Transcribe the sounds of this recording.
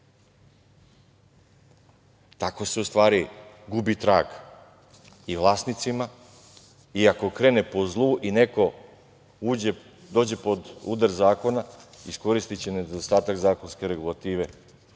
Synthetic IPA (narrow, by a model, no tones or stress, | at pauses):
t̪ako̞seust̪ʋaːɾi | ɡubit̪ɾaːɡ | iʋlˠaːsnit̪sima | iako̞kɾe̞ːne̞po̞zlˠuʔine̞ko̞ | uː | d̪o̞ːd͡ʑe̞po̞d̪ṵːd̪aɾzaːko̞naisko̞ɾist̪it͡ɕene̞d̪ost̪aːt̪akzaːko̞nske̞ɾe̞ɡulˠat̪iːʋe̞